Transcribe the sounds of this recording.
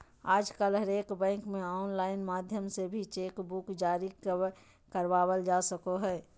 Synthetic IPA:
aːd͡ʒkəlɦəɾeːkbɛ̃ːŋkmẽɔːnlaːɪnmaːd̪ʱjəmsebʱit͡ʃeːkbukd͡ʒaːɾi | kəɾʋaːwəld͡ʒaːsəkoɦɛː

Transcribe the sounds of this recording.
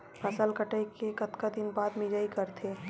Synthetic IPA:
pəsəlkəʈəjkekət̪kad̪ɪnbaːd̪mid͡ʒaikəɾt̪ʰe

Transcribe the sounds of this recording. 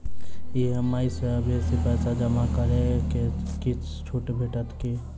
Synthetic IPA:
jeɦəmːaːisabʱisipɛːsad͡ʒəmakəɾẽkekit͡ʃʰ | t͡ʃʰuːʈbʱeʈət̪ke

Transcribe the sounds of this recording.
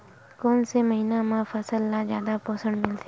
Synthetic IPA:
koːnseməɦiːnamãfəsəlːad͡ʒjaːd̪apɔːsəɳmɪlt̪e

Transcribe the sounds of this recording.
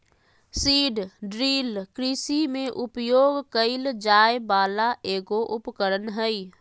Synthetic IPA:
siːɖɖɾiːlkɾisimẽʔʊpjoːɡkəɪld͡ʒaːjbaːlaʔeːɡoʔʊpkəɾənɦəi

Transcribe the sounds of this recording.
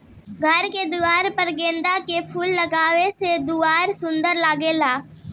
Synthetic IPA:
ɡʱɐɾked̪uaːɾpɐɾɡẽːnd̪akepʰulːɐɡaːʋesed̪uaːɾsʊ̃nd̪əɾlaːɡeːlaː

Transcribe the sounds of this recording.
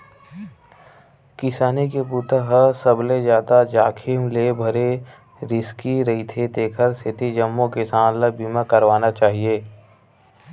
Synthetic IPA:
kɪsaːnikepuːt̪əɦəsəbled͡ʒjaːd̪ad͡ʒaːkʰimlebʱɐɾe | ɾɪskiɾɐɦit̪ʰet̪eːkʰəɾsʰɪt̪id͡ʒəmːõkɪsaːnləbimãkəɾʋaːnat͡ʃaːɦieː

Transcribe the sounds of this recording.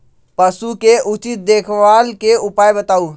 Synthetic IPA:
pəsukeʔut͡ʃit̪̚d̪ekʰʋalkeupajbət̪au

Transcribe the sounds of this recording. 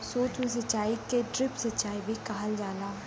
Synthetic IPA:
soːt͡ʃmẽsɐt͡ʃaːikeɖɾɪpsɐtt͡ʃːaːibʱikɐɦəld͡ʒaːlaː

